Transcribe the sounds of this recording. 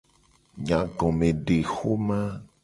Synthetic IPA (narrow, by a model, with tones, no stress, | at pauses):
ɲã˨ɡɔ̃˨mẽ˨ɖe˨xo˦mã˦